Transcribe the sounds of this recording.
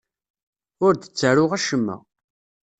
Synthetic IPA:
ʊɾd̪ə̥t͡sːəɾʊʁæʃəmːə̰

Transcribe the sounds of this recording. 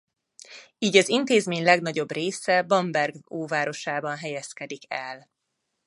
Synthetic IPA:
iːɟɒzint̪eːzmeːɲlɛɡn̪ɒɟo̞breːsɛbɒmbɛrɡoːvaːɾo̞ʃaːbɒnɦɛjɛskɛd̪ikɛ̰l

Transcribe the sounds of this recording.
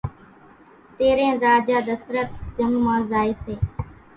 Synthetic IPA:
t̪eːɾẽːzaːd͡ʒaːd̪əsɾət̪̚d͡ʒəŋɡmãːzaːiːseː

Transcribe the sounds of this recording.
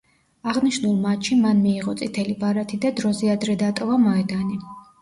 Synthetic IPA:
aʁniʃnulˠmatt͡ʃʃimanmiːʁɔt̪sʼit̪ʰɛlibaɾat̪ʰid̪ad̪ɾɔzɛad̪ɾɛd̪at̪ʼɔvamɔɛd̪ani

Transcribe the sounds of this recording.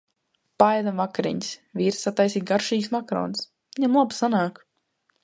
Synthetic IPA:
pajd̪avakaɾḭɲisvʲiːɾsat̪ːajsiːt̪̚ɡaɾʃiːksmakɾɔ̰ːns | viɲamlˠabsanaːk

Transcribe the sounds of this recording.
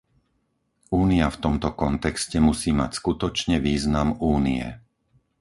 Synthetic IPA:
uːniaft̪ɔmt̪ɔkɔnt̪ɛkscɛmusiːma̰cskut̪ɔt͡ʃɲɛʋiːznamuːniɛ̰

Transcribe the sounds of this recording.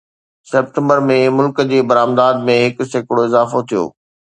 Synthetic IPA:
sɛːp̚ʈə̃mbəɾmẽmʊlkəd͡ʑeːbɐɾaːmd̪aːd̪mẽɦɪkʊ̆sekɪɽoɪzaːfot̪ʰijo̰ː

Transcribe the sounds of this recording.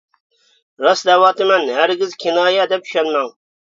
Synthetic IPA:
ɾɑsd̪ɛwɑːt̪ɨmɛnhæɾɡʲɪzkʲʰinɑːjɛd̪ɛp̚y̥ʃɛnmɛŋ

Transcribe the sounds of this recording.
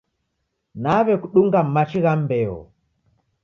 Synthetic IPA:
naβɛkuɗuŋɡam̩mat͡ʃiɣambɛɔ̰

